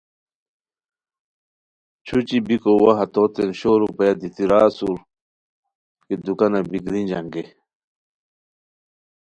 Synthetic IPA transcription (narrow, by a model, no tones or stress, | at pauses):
t͡ɕʰut͡ɕibikowaɦat̪ot̪enɕoːɾupɐjad̪it̪iɾaːsuɾ | kid̪ukanabikɾind͡ʑaŋɡe